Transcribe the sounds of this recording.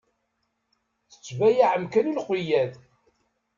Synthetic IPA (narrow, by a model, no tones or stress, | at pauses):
θə̥t͡sːvæjaʕəmkænulqijːæð